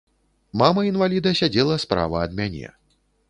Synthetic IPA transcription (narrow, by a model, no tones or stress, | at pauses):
mamɐinvalʲid̪ɐsʲad͡zʲɛlˠɐspɾa̰vɐːd̪mʲanʲɛ̰